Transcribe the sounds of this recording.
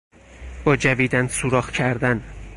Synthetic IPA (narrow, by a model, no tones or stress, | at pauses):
b̥ɒːd͡ʒæviːd̪ænsuɾɒːhcʰæɾd̪æn